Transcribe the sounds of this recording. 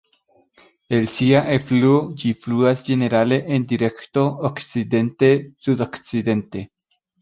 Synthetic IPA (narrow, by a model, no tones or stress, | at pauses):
e̞lsiaʔefluod͡ʒifluasd͡ʒe̞ne̞ɾale̞ʔendiɾe̞kto̞okt͡side̞nte̞sudokt͡side̞nte̞